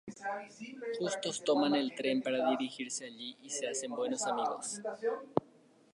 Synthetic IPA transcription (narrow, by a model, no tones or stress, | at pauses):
xust̪o̞st̪o̞mane̞lt̪ɾe̞mpaɾaðiɾixiɾse̞aʎiʔise̞ase̞mbwe̞no̞samiɣo̞s